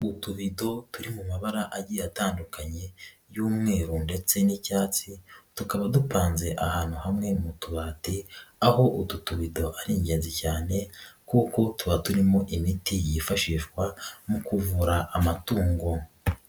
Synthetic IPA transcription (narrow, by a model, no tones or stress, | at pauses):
utuβido̞tuɾimumaβaɾaʔaɟiːataːndukʰaɲe̞ | juːmŋe̞ːɾunde̞t͡se̞nicaːt͡situkaβadupaːnze̞ʔahaːnhuhamŋe̞mutuβaːtiaho̞ʔututuβido̞ʔaɾiːɲɟe̞ːnzicaːne̞kuːko̞tuβatuɾimoʔimitijifaʃiːʃkwamukuvuɾaʔːmatuːŋɡo̞